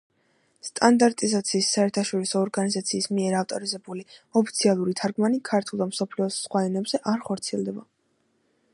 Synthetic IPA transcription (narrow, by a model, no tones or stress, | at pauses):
st̪ʼand̪aɾt̪ʼizat̪sʰiːsːaɛɾt̪ʰaʃɔɾisɔːɾɡanizat̪sʰiːsmiɛɾaft̪ʼɔɾizɛbuliɔpʰit̪sʰialˠuɾit̪ʰaɾɡmanikʰaɾt̪ʰulˠd̪amsɔpʰliɔsːχwaɛnɛbz̥ɛʔaɾχɔɾt̪sʰiɛlˠd̪ɛba